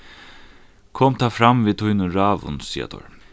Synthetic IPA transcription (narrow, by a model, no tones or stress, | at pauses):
kʰoːmt̪ʰaːfɾamviːt̪ʰʊjnʊɾaːʋʊ̰nsḭːa̰t̪ʰɔ̰ɹ